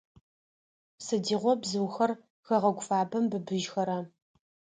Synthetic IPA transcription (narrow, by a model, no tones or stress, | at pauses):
sɨdiːʁʷɔbzɨwxɐr | xɐʁɐɡʷfaːbɐmbɨbɨʒxɐɾɐ